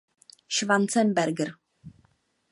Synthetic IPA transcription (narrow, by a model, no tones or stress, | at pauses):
ʃvant͡sɛnbɛɾɡɾ